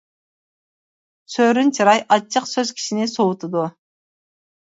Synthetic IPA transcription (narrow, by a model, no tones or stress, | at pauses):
søːɾynt͡ʃʰɯɾɑjʔɑt͡ʃʰːɯqsøz̥kʲʰi̥ʃinisowt̪ud̪u